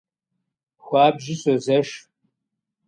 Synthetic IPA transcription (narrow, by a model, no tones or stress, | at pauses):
xʷaːbʒɪsʷɐzɐʂ